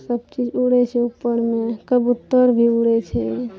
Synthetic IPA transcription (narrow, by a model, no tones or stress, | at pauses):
səb̚t͡ʃid͡ʒuɽɛt͡ʃʰɛupːəɾmekəbut̪ːəɾbʱiuɽɛt͡ʃʰɛ